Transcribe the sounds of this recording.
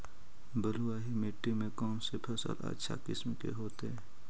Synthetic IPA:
bəluwaːɦimeʈːimẽkɔːnsepʰəsə̰la̰tːʃʰa̰kɪsmkḛɦoːt̪eɦɛː

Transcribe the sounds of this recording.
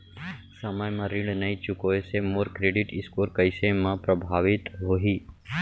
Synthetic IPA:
sɐmajmãɾɪ̃ɳɖnɐit͡ʃʊkoesemoɾkɾeːɖɪʈɪskoːɾkəɪsemãpɾəbʱaːʋɪt̪ɦoːɦiː

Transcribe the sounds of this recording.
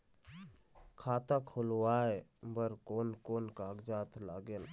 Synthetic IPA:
kʰaːt̪akʰʊlwaːebəɾkoːnkoːnkaːɡd͡ʒaːt̪ʰlaːɡel

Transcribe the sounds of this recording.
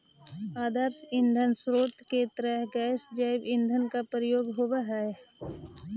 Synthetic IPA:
aːd̪əɾsɪ̃nd̪ʱənsɾoːt̪ket̪ɾɛɦɡɛːsd͡ʒaːɪbɪ̃nd̪ʱənkapɾəjoːɡɦowaɦɛ

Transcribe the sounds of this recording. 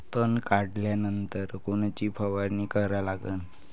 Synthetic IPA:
t̪ənkaɽljanənt̪əɾkoɳ̃t͡ɕiːpʰəʋəɾnikəɾalaɡəːn

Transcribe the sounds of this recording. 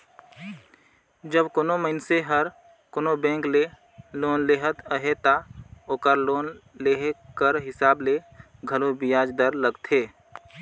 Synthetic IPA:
d͡ʒəbkoːnoməɪnseɦəɾ | koːnobɛ̃ːŋkle | loːnleɦət̪əɦet̪aoːkəɾloːnleɦkəɾɦɪsaːble | ɡʱəlobɪjaːd͡ʒd̪əɾləɡt̪ʰeː

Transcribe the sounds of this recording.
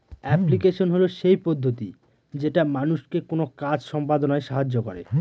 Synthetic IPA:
ɛplikeʃonɦoloʃejpod̪ʱːot̪i | d͡ʑeʈamanuʃkekonokad͡ʑʃɔmpad̪onaeʃaɦad͡ʑːokɔɾḛ

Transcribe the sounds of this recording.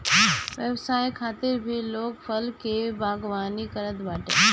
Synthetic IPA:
ʋjɛwsaːikʰaːt̪ɪɾbʱiloːɡpʰɐlkebaːɡʋaːnikəɾət̪baːʈḛ̃ː

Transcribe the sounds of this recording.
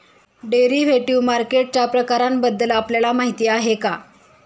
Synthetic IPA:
ɖeɾiʋeʈiʋmaɾkeʈ̚t͡ɕapɾəkaɾambəd̪ːəlapljalamaɦit̪iːaɦeka

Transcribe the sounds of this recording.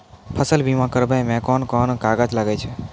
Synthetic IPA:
pʰəsəlbimãkəɾbəjmɛ̃kɔnkɔnkaɡəd͡ʒlaɡɛt͡ʃʰɛ

